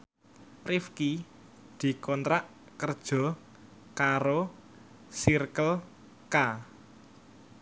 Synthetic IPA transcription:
rifki | d̪̥i̤kɔnt̪ɾaʔ | kərd̥ʒ̥ɔ̤ | kaɾo | sirkəl | ka

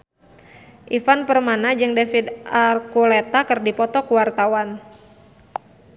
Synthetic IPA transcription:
ʔifanpərmanad͡ʒɨŋdefid̪arkulet̪akɨrdipɔt̪ɔkuwart̪awan

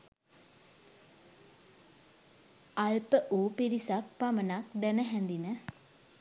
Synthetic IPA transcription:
alpəʔuːpiɾisak̚pamənak̚d̪ɛnəɦɛnd̪inə

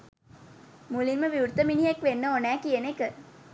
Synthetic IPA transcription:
mulinməʋiuɾt̪ːəminijekʋenːəonæːkienekə

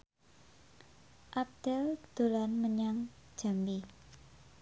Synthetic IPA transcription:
ʔap̚d̪̥ɛld̪̥o̤lanməɲaŋ̥d͡ʒ̥a̤mbi

